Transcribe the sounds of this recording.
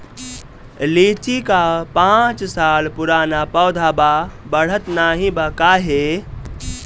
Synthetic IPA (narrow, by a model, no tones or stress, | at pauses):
lit͡ʃikapãt͡ʃsalpuɾanapəʊd̪ʱababəɽ̤ət̪naɦĩbəkaɦe